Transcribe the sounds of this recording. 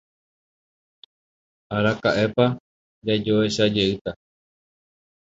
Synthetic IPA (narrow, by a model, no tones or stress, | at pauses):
aɾakaʔe̞pa | d͡ʒad͡ʒoe̞ʃad͡ʒe̞ɨt̪a